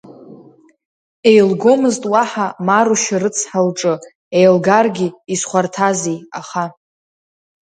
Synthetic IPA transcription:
e̞jlɡo̞mɨztʼwaħamaɾuʃaɾɨt͡sʰħalʈ͡ʂʼɨ | ejlɡarɡʲiisχʷartʰazijaχa

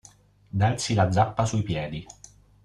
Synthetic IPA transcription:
d̪ansilad̪zːapːasuipjɛːd̪i

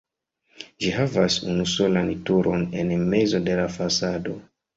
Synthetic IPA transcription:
d͡ʒiɦavasṵnuso̞lantuɾʔo̞ne̞nme̞zo̞de̞lafasado̞

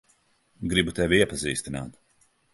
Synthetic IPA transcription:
ɡɾibut̪ɛvʲiiɛpazḭːst̪ina̰ːt̪

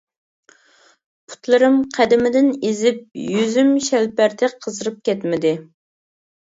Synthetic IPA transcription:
pʰu̥t̪lˠɨɾɨmqʰæd̪ɪmɪd̪ɪnezɪp̚jyzymʃɛlpæɾt̪ʰɪqʰəzɨɾɨp̚kʲɛt̪mɪd̪ɪ

